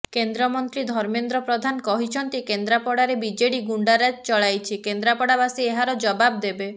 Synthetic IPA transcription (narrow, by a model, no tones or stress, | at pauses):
kend̪ɾɔmɔnt̪ɾid̪ʱɔɾmend̪ɾɔpɾɔd̪ʱanɔkɔɦit͡ʃʰɔnt̪ikend̪ɾapɔɽaɾebid͡ʒeɽiɡuɳɖaɾad͡ʒt͡ʃɔɭajt͡ʃʰikend̪ɾapɔɽabasieɦaɾɔd͡ʒɔbab̚d̪ebe